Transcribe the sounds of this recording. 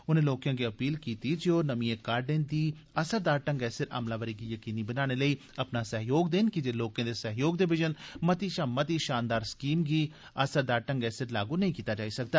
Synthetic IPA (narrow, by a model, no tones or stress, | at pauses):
ʊnẽːloːkjãːɡiːəpiːlkiːt̪iːd͡ʒioːnəmĩːẽːkaːɾɖẽːnd̪iː | əsəɾd̪aːɾʈə̃ŋɡɛːsɪɾa̰ːmlaːʋəɾiːɡiːjəkiːniːbənaːñeləiː | əpnaːsəɦjoːɡd̪eːnkɪd͡ʒeːloːkãːd̪eːsəɦjoːɡd̪ɪʋɪd͡ʒənmət̪iːʃaːmət̪̬iːʃaːnd̪aːɾskiːmɡiː | əsəɾd̪aːɾʈə̃ŋɡɛːsɪɾlaːɡuːnɐɦĩːkiːt̪aːd͡ʒaːisək̚d̪aː